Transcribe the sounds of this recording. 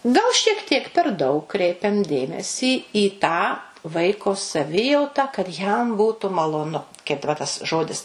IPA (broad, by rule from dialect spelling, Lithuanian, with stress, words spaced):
ɡɐlˠ ʃʲiɛk ˈtʲiɛk pʲɛr ˈdɐʊk ˈkrʲɛɪpʲɛm ˈdʲeːmʲɛsʲiː iː tɑː ˈʋɐɪkoː sɐˈʋʲɪjɛʊtɐ kɐt ˈjɛm ˈbuːtʊ mɐlˠoːˈnʊ kɐɪp dɐˈbɐ tɐs ˈʒoːdʲɪs